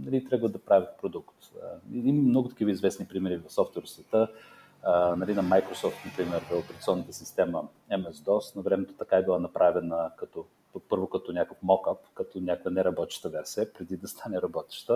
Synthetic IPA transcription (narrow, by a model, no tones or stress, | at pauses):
nɐlit̪ɾʲabəlˠəd̪ɐpɾavʲət̪̚pɾod̪ukt̪ə̰iimmnɔɡʊt̪ɐ̥k̟ivəizvɛsnipɾimɛɾivɐfsɔft̪vɛɾsvɛt̪ə | nɐlinɐmajkɾosɔft̪nɐpɾimɛɾopɛɾɐt̪siɔnːət̪əsist̪ɛmə | ɛmɛsd̪ɔsnɐvɾɛmɛt̪o̥t̪ɐkaɛbilˠanɐpɾʔavɛnəkɐt̪ɔ | pɤɾvokɐt̪ɔnʲakəfmɔkapkɐt̪ɔnʲakovənɛɾɐbɔt̪ʲʃt̪əvɛɾsiəpɾɛd̪id̪ɐst̪ʰanɛɾɐbɔt̪ɛ̥ʃt̪ə